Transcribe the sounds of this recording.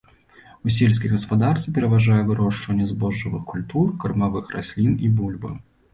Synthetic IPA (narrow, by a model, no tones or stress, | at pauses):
usʲɛlʲsʲkʲijɣɐspad̪art̪sɨpʲɛɾɐvaʐajɛvɨɾɔʂt͡ʂvɐnʲːɛzbɔʐːɨvɨxkulʲt̪urkɐrmavɨxra̰sʲlʲinibulʲbɨ̰